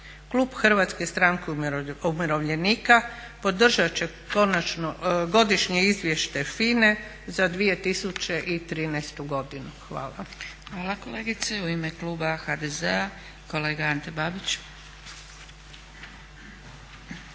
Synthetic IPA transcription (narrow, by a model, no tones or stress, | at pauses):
kluːbxr̩ʋat̪skest̪ɾaŋkeumiɾo̞ʋʎe̞niːka | po̞d̪r̩ʒat͡ɕe̞ | ko̞nat͡ʃnoɡo̞d̪iʃɲeizʋje̞ʃt̪efiːne̞ | zad̪ʋije̞t̪isut͡ɕeʔit̪ɾiːnɛjst̪uɡo̞d̪inuxʋa̰ːlˠa̰xʋaːlˠakoleːɡit̪seuimekluːbaxad̪ezea | ko̞leːɡaant̪ebaːbit͡ɕ